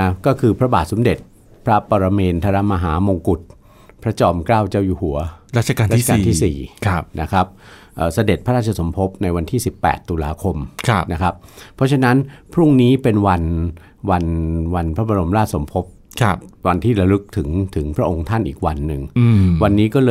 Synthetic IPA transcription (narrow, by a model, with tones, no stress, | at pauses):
a˦˥kɔː˥˩kʰɯː˧pʰɾa˦˥baː˨˩t̪̚so˩˦mde˨˩t̪̚ | pʰɾa˦˥pɔː˧ɾa˧meː˧nt̪ʰa˧ɾa˦˥maː˧ɦaː˩˦mo˧ŋku˨˩t̪̚ | pʰɾa˦˥t͡ɕɔː˧mkɾaː˥˩wt͡ɕaː˥˩wjuː˨˩hu˩˦ɐɾaː˥˩t͡ɕʰa˧kaː˧aː˥˩˥a˨˧kːn˨t̪ʰiː˥˩sḭː˨˩˦na˦˥kʰa˦˥p̚ | ʔəː˨˩sa˧de˨˩t̪̚pʰa˦ɾaː˥˩t͡ɕʰa˧so˩˦mpʰo˦˥p̚na˧jwa˧nt̪ʰiː˥˩si˨˩pːɛ̰ː˨˩t̪ːu˧la̰ː˧kʰo˧mkʰa˦na˦˥kʰa˦˥pʰːɔ˦˥t͡ɕʰa˧na˦˥npʰɾu˥˩ŋniː˦˥pe˧nwa˧n | wa˧nwa˧npʰɾa˦˥ba˧ɾo˧mɾaː˥˩so˩˦mpʰo˦˥p̚ | kʰwa˧nt̪ʰiː˥˩ɾa˧ɾɯ˦˥k̚t̪ʰɯ˩˦ŋt̪ʰɯ˩˦ŋpʰɾa˦˥ʔo˧ŋt̪ʰa˥˩nʔiː˨˩k̚wa˧nːɯ˨˩ŋwa˧nːiː˦˥kɔː˥˩lɤː˧